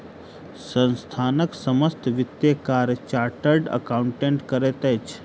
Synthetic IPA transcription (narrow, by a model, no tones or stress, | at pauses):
sə̃nst̪ʰaːnəksəməst̪ʰʋɪt̪jekaːɾjət͡ʃaːɾʈəɾɖə̰kauɳʈeɳʈkəɾet̪et͡ʃʰ